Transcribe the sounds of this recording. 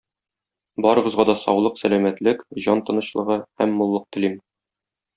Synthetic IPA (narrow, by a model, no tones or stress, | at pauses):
bɒɾɤ̆ʁɤ̆zʁɑd̪ɒsɒ̰wlˠɤqsælæmæt̪lɘkʑɒnt̪ɤ̆nɤ̆ɕlˠɤ̆ʁɤhæmːŏlˠːɤq̚t̪ɘ̆lim